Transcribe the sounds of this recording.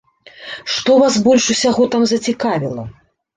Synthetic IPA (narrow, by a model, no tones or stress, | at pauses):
ʂt̪ɔvasbɔlʲʂusʲaɣɔt̪amzɐt͡sʲikavʲilˠɐ̰